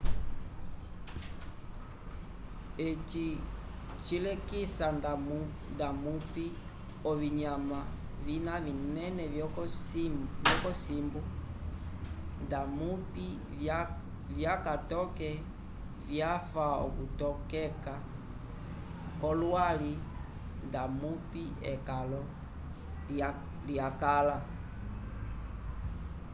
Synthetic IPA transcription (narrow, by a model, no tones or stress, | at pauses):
ɛt͡ʃi | t͡ʃilɛkisandamu | ndamupi | ɔviɲama | vinavinɛnɛvɔ | vjɔkɔsimbu | ndamupi | vjakatɔkɛ | vjafaɔ̰kutɔkɛka | kɔlwali | ndamupiɛkalɔ | ljakala